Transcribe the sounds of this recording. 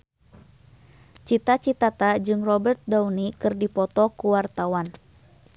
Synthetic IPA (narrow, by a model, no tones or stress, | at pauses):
t͡ʃit̪at͡ʃit̪at̪ad͡ʒɨŋrɔbərt̪̚daunikɨrdipɔt̪ɔkuwart̪awan